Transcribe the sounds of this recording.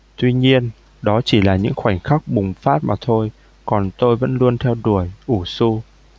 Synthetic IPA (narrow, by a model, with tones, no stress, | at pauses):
t̪wi˧ɲi˧ən | ɗɔ˨˦t͡ɕi˧˩laː˨˩ɲɨ̰˧˥ŋxwa˧˩jŋ̟xa˦˥k̚ɓʊ˨˩ŋ͡mfaː˦˥t̚maː˨˩t̪ʰo˧j | kɔ˨˩nt̪o˧jvə̰˧˥nlu˧ənt̪ʰɛ˧wɗu˧˩əjʔu˧˩su˧